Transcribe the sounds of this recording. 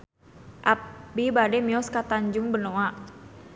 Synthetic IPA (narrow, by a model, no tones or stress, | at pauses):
ʔap̚bibadɛmiɔskat̪aɲd͡ʒuŋbənoa